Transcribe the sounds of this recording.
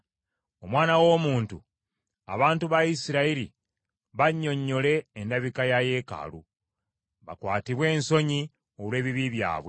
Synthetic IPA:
o̞mwaːnawo̞ːmuːntu | a̰βaːntuβaisiɾaiɾi | βaɲːo̞ɲːo̞le̞ːndaβikajaje̞ːka̰lu | βa̰kwaːtiβwe̞ːnso̞ɲi | o̞lwe̞ːβiβiβja̰ːβwe̞

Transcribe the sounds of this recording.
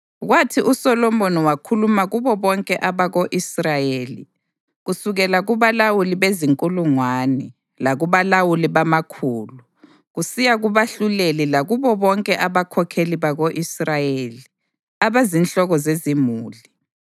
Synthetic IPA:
ɣwatʰiʔusɔlɔmbonɔwakʰulumaɣuβɔβɔŋkʼɛʔaβaɣoʔisrajeːlḭ | ɣusuɣɛlaɣuβalawuliβeziŋkʼuluŋwanɛ | laɣuβalawuliβamakʰuːlu | ɣusijaɣuβaɬulelilaɣuβɔβɔŋkʼɛʔaβakʰɔkʰeliβaɣoʔisrajeːli | aβazinɬʼɔɣɔzezimuːli

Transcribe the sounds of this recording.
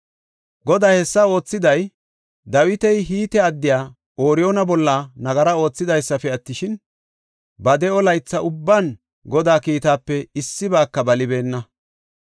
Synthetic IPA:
ɡɔd̪aːhɛsːɐo̞ːt͡sːɪd̪ɐj | d̪ɐwɪt̪ɛjɦiːt̪ɛɐd̪ːɪjaː | o̞ːɾɪjo̞ːnɐbɔlːɐnɐɡɐɾɐo̞ːt͡sːɪd̪ɐjsːɐfɛɐt̪ːɪʃɪn | bɐd̪ɛɔlɐjt͡sːɐʔʊbːan | ɡɔd̪aːkiːt̪aːpːɛɪsːɪbaːkːɐbɐlɪbe̞ːnːɐ

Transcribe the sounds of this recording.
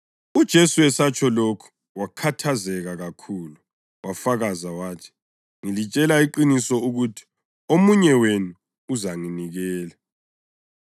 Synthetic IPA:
ud̥ʒ̥ʱesuwɛsat͡ʃʰʼɔlokʰu̥ | wakʰatʰazɛɣaɣakʰuːlu | wʔafaɣazawaːtʰi̥ | ŋilit͡ʃʼɛlaiǃinisɔuɣutʰi̥ | omuɲɛwenuː | zaŋiniɣɛːla

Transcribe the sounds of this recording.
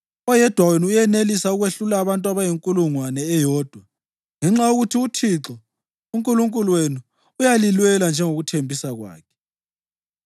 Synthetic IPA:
ɔjɛd̥ʱwaweniujɛnelisauɣweɬulaːβantʼwaβajiŋkʼuluŋwanɛːjɔːd̥ʱwa | ŋɛŋ͡ǁajoɣutʰiutʰiǁɔ | uŋkʼuluŋkʼuluwenu | ujalilwɛland͡ʒʱɛŋoɣutʰembʱisaɣwa̰ːkʰɛ̥

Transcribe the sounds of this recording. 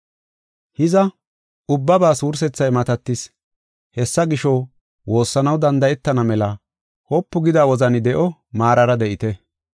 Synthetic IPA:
hɪzɐ | ʊbːɐbaːsuːɾs̬ɛt͡sːɐjmɐt̪ɐt̪ːɪs | hɛsːɐɡɪʃɔ | wo̞ːsːɐnɐwd̪ɐnd̪ɐjɛt̪ːɐnɐmɛlɐ | hɔpːʊɡɪd̪aːwɔzɐnɪd̪ɛʔɔmaːɾɐɾɐd̪ɛʔɪt̪ɛ

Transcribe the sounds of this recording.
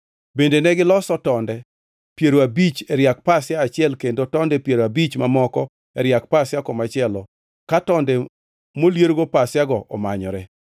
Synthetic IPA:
bendenɛɡɪlɔsɔtɔndɛ | pjeɾoabit͡ʃɛɾjak̚pasɪjaːt͡ʃɪɛlkendotɔndɛpjeɾoabit͡ʃmamɔkɔ | ɛɾɪjak̚pasjakɔmat͡ʃɪɛlɔ | katɔndɛ | moljeɾɡopasjaɡɔʔɔ̰maɲɔ̰ɾɛ

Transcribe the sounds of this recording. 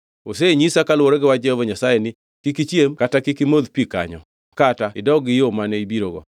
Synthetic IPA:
os̬eɲisakalwoɾeɡɪwad͡ʒɛovoɲasajenɪ | kikit͡ʃjemkatakikimoðpika̰ɲɔ̰ | kataɪdɔɡɪjomanɛibiɾoɡɔ̰

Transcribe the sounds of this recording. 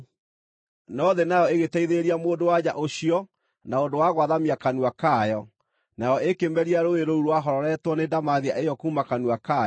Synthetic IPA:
nɔðenajɔeɣetɛiðeɾiamoːndowaɲaʔoɕiɔ | naondowaɣwaðamiakanuakajɔ | najɔʔekemɛɾiaɾoeɾouɾwaɦɔɾɔɾɛtwɔnedamaðiaejɔkuːmakanuaka

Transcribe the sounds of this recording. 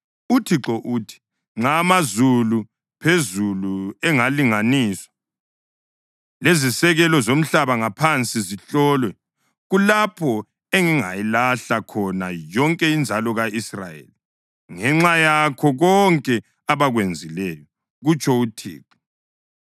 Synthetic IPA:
utʰiǁɔʔuːtʰi̥ | ŋ͡ǁamazulu | pʰezuluɛŋaliŋaniːswḁ | lezisɛɣɛlɔzom̩ɬaβaŋapʰant͡sʼiziɬɔlwɛ | ɣulapʰɔ | eŋiŋa̰jilaɬakʰɔnajɔŋkʼɛind͡ʒʱalɔɣaisra̰jḛːli | ŋɛŋ͡ǁajakʰɔɣɔŋkʼɛ | aβaɣwend͡zʱilɛjɔ | ɣut͡ʃʼʰɔutʰḭːǁɔ

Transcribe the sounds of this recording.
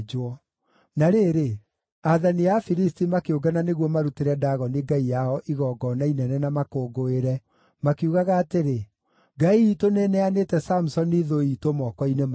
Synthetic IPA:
d͡ʒɔ | naɾeːɾe | aðaniafiɾistimakeoɡananeɣwɔmaɾuteɾɛdaɣɔneɡaijaɔʔiɣɔːɡɔnainɛnɛnamakoːɡoeɾɛ | makeuɣaɣaːteɾe | ɡaiːtonenɛanetɛsamusɔniðoitomɔkɔinem

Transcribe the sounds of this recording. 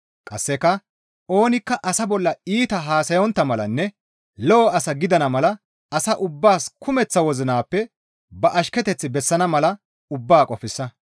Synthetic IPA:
kʼɐsːɛkːɐ | o̞ːnɪkːɐʔɐsɐbɔlːɐiːt̪ɐɦaːsɐjɔnt̪ːɐmɐlɐnːɛ | lɔːɐsɐɡɪd̪ɐnɐmɐlɐ | ɐsɐʔʊbːaːskʊmɛt͡sːɐwɔzɪnaːpːɛ | bɐʔɐʃkɛt̪ɛt͡sːɪbɛsːɐnɐmɐlɐ | ʊbːaːkʼɔfɪsːɐ

